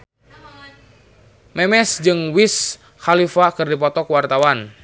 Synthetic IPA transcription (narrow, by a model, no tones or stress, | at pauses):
mɛmɛsd͡ʒɨŋwis | xalifakɨrdip̬ɔt̪ɔkwart̪awan